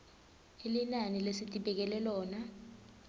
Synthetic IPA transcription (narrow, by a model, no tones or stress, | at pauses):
elinanilesitʼiɓɛk̬ɛlɛlɔːna